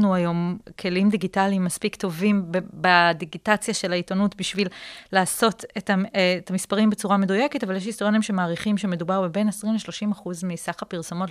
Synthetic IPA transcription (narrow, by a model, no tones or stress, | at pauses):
nuajo̞mkʰe̞limd̪iɡitaliimːaspikto̞vimbebad̪iɡitat͡sjaʃe̞laitonutbiʃvillaːso̞tetat̪amispaʁimbe̞t͡suʁame̞duje̞ketavaljeʃ̬ist̪oonimʃemaːʁiχimʃe̞me̞dubaʁbebe̞nasʁimleʃlo̞ʃimaχuzmisaχapiʁso̞mo̞t